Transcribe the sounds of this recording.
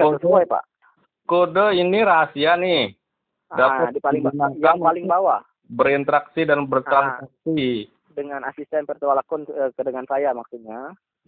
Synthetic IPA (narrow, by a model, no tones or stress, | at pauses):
ŋaəsuajpa̰ʔ | kodəiniɾasianɪh | dapadipalɪŋbawajaŋpalɪŋbawa | bəɾint̪ɾaksidanbərt̪ɾansak̚si | dəŋanasist̪ɛnpərt̪uwalakʊnəkədəŋansajamaksut̪ɲa